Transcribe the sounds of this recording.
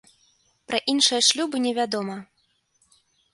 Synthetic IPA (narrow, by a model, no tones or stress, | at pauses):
pɾɐʔinʂɨjɐʂlʲubɨnʲɛvʲad̪ɔmɐ